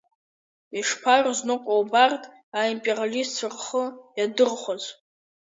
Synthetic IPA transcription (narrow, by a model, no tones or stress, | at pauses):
iʂpʰarznɨqʷʼawbartʼ | aimpʼiralist͡sʰɨrχəjadɨrχʷaz